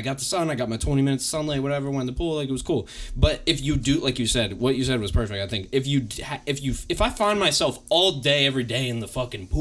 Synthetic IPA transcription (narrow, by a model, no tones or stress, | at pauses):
ɪɡɑt̪̚ðəsʌ̃naɪɡɑt̚maɪtʰw̥ɛ̃ɾ̃imɪ̃ñɨtsʌ̃nleɪwʌɾɛvə˞wɛ̃ntəpʰulˠlaɪkɨt̚wʌz̥kʰulˠb̥ʌɾɨfjɨdɨlaɪkjɨsɛd̚wʌt͡ʃɨs̬ɛd̚wʌz̥pʰɜ˞fɪk̚taɪθɪ̃ŋkɨfjɨɨfjɨɨfaɪfãɪ̃nmaɪsɛlˠfɔlˠdeɪɛvɹideɪɨ̃nðəfʌkɨ̃ŋpʰ